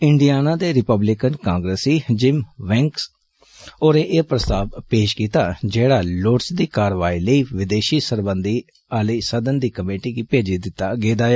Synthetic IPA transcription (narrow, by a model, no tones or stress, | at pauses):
ɪɳɖijaːnãːd̪eːɾɪpəblɪkənkãːŋɡɾəsiːd͡ʒɪmʋɛ̃ːŋks | oːɾeːʔeːpɾəst̪aːbpeːʃkiːt̪aːd͡ʒeːɽaːloːʈsd̪iːkaːɾʋaːiːləiːʋɪd̪eːʃiːsəɾbənd̪iː | aːliːsəd̪ənd̪iːkəmeːʈiːɡiːpeːd͡ʒiːd̪ɪt̪ːaːɡeːd̪aːaː